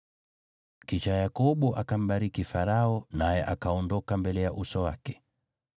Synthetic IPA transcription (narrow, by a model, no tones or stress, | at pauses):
kit͡ʃajakɔɓɔʔakam̩ɓaɾikifaɾaɔnajɛʔakaɔndɔkambɛlɛjaʔusɔwa̰kɛ̥